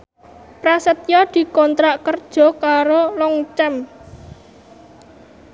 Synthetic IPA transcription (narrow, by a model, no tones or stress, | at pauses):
pɾasət̪jɔd̪̥i̤kɔnt̪ɾaʔkərd̥ʒ̥ɔ̤kaɾolɔŋt͡ʃɛm